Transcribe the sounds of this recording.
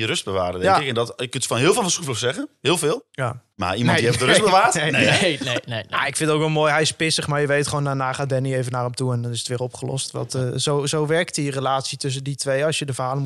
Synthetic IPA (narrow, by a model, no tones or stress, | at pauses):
jəɾøsd̚bəʋa̰ːɾədɛjŋkɪkɛndɔtjəkøntfɔnɦɪːlˠfɪːlˠfənsuflɔsɛɣənɦɪːlˠvɪːlˠjama̰immɔndiɛdərøbəʋaːtenea̰ɪkfɪ̃ntoːkʋɛlˠmoːjɦɛjɪspɪsəχmaɹjəʋejtχəoːnanaːχaːdɛnieːvənarɔmtuɛndɔnɪsətʋɪːrɔpχəlɔ̰stʋɔ̰tzowzowʋɛrktirəlaːtsitʏs̬ənditʋejɑsjədəfərɦaːlˠəm